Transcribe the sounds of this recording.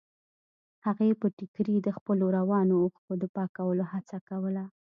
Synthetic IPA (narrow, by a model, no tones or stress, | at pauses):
haɣepəʈɪkɾid̪əxpəloɾawɑnoːxt̪od̪əpɑkawəlohat͡sakawəla